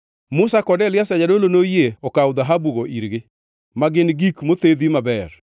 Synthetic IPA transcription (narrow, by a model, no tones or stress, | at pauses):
mʊsakɔdɛlɪasad͡ʒadolonojeɔkawd̪aɦabuɣoʔiɾɡɪ | maɡɪnɡikmot̪ed̪imabɛɾ